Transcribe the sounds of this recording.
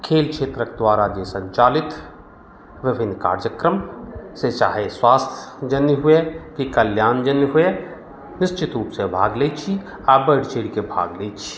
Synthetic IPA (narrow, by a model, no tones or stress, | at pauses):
kʰeːlkʃeːt̪ɾəkd̪waːɾad͡ʒesə̃ɲt͡ʃaːlɪt̪ | ʋɪbʱɪnːka̰ːɾd͡ʒəkɾəmset͡ʃa̰ːɦeswaːst̪ʰjəd͡ʒənːɦuekikəljaːnd͡ʒənːɦʊe | nɪst͡ʃɪt̪ɾuːpsebʱaːɡleːt͡ʃʰi | abəɽ̤t͡ʃeːɽikebʱa̰ːɡleːt͡ʃʰi̥